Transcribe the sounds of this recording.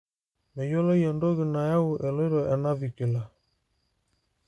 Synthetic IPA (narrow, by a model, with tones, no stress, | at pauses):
mɛ˨jɔ˦lɔ˦jɛ˨ndɔ˦ɣi˨na˨ja˦u˨ʔɛ˨lɔ˦ɾɔ˨ʔɛ˨na˦βi˨ki˨la˨